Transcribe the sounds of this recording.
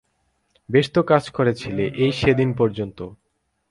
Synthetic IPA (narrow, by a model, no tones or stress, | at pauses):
beʃt̪okad͡ʑkoɾet͡ɕʰileʔejʃed̪inpɔɾd͡ʑont̪o